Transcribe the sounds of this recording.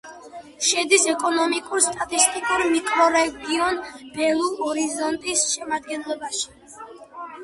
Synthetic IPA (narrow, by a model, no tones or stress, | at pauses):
ʃɛd̪isɛkʼɔnɔmikʼuɾst̪ʼat̪ʼist̪ʼikʼuɾmikʼɾɔɾɛɡiɔnb̥ɛlˠuɔɾizɔnt̪ʼisʃɛmad̪ɡɛnlˠɔbaʃi̥